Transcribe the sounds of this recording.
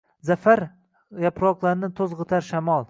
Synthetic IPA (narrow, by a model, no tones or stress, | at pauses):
zafaɾ | japɾɒqlˠaɾnɪt̪ʰozʁɨt̪ʰaɾʃamɒlˠ